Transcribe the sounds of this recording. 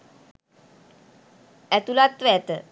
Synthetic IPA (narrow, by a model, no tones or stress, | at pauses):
æt̪ulat̪ʋəɛt̪ə